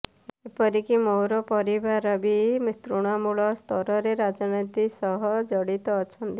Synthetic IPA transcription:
eepɔɾikimowɾɔpɔɾibaɾɔbimit̪ɾuɽ̃ɔmuɭɔst̪ʰɔɾɔɾeɾad͡ʒɔnit̪isɔɦɔd͡ʒɔɽit̪ɔːt͡ʃʰɔnt̪i

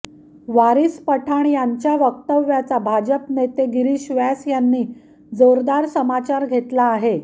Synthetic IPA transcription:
ʋaɾispəʈʰaɳjaɲt͡ɕjaʋək̚t̪əʋjat͡sabʱad͡ʑəpnet̪eɡiɾiːɕʋasjanːiː | d͡zoɾd̪aɾsəmat͡ɕaɾɡʱet̪laːɦe

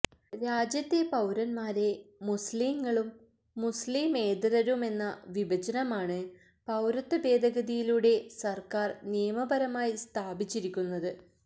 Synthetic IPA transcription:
ɾaːd͡ʑjɐt̪ːe̞pɐwɾɐnmaːɾe̞musliːŋːɐɭumː | usliːme̞ːd̪rɐɾume̞nːɐʋibʱɐt͡ɕɐnɐmaːɳɨ | pɐwɾɐt̪ːɐbe̞ːd̪ʱɐɣɐðijiluːɽe̞sɐrkaːrnijɐmɐbɐɾɐmaːjist̪ʰaːbit͡ɕːiɾikʲːunːɐðɨ

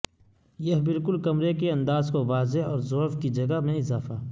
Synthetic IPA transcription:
jɐɦbɪlkʊlkɐmɾekeɐ̃nd̪aːzkoʋaːzeɔːɾzoːfkid͡ʒɐɡaɦmẽɪzaːfaː

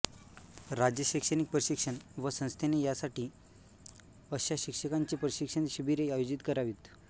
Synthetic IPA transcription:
ɾad͡ʑjəɕikʂənik̚pɾəɕikʂənʋəsə̃w̃st̪ʰenejasaʈiː | əɕaɕikʂəkaɲt͡ɕipɾəɕikʂənɕəbiɾeajod͡ʑit̪kəɾaʋiːt̪

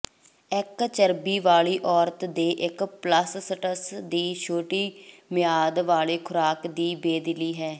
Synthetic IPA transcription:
ɪkt͡ʃəɾbiːʋaːɭiːʔɔːɾt̪d̪eːʔɪkpləsːəʈəsd̪iːʃʰoːʈiːmɪjaːd̪ʋaːɭeːkʰʊɾaːkd̪iːbeːd̪ɪliːɦɛː

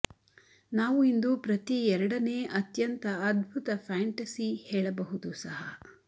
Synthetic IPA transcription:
naːʋuind̪upɾɐt̪iɛɾɐɽɐne̞ːʔɐt̪jɐnt̪ɐːd̪̚bʱut̪ɐpʰaːɳʈɐsihɛːɭɐbɐɦud̪usɐɦɐ

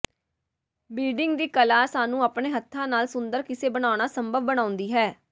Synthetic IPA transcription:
biːɖɪŋɡd̪iːkəlaːsaːnũːaːpɳeːɦət̪ʰːãːnaːlsʊnd̪əɾkɪseːbəɽaːʊɳ̃aːsəmbʱəʋbəɽ̃ãːʊ̃nd̪iːɦɛː

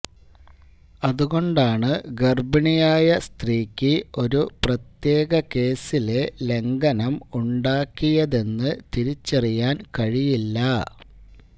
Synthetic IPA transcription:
ɐðuɣo̞ɳɖaːɳɨɡerbɐɳijaːjɐst̪riːkʲːɨo̞ɾuprɐt̪je̞ːɣɐke̞ːsilele̞ŋɡɐnɐmuɳɖaːkːijɐðe̞nːɨt̪iɾit͡ɕːɐrijaːnkɐɻijilːɐ

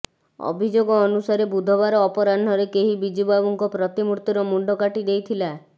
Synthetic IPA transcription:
ɔ̰bʱid͡ʒoɡɔːnusaɾebud̪ʱɔβaɾɔːpɔɾan̤ɔɾekeɦibid͡ʒibabuŋkɔpɾɔt̪imuɾt̪iɾɔmuɳɖɔkaʈid̪ejt̪ʰila

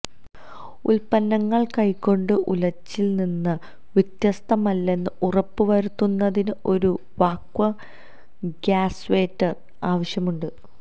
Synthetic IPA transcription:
ulpɐnːɐŋːɐɭkɐjkːo̞ɳɖɨʔulɐt͡ɕːilninːɨ | ʋit̪jɐst̪ɐmɐlːe̞nːɨurɐpːɨʋɐɾut̪ːunːɐðinɨo̞ɾu | ʋaːkʋɐ | ɡaːsʋeːtːɐr | aːʋɐɕjɐmuɳɖɨ

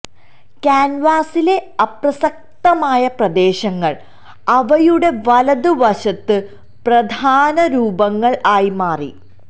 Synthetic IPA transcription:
kaːnʋaːsile̞ɐprɐsɐk̚t̪ɐmaːjɐprɐd̪e̞ːɕɐŋːɐɭ | ɐʋɐjuɽe̞ʋɐlɐd̪uʋɐɕɐt̪ːɨ | prɐd̪ʱaːnɐɾuːbɐŋːɐɭʔaːjimaːrḭ

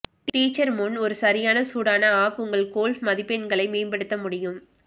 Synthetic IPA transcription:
ʈiːt͡ʃːɐɾmʊnɔɾɯsɐɾɪjaːnɐsuːɽaːnɐaːpʊŋɡɐɭkoːlfmɐðɪpːɛɳɡɐɭɐɪmeːmbɐɽɯt̪ːɐmʊɽɪjɯm

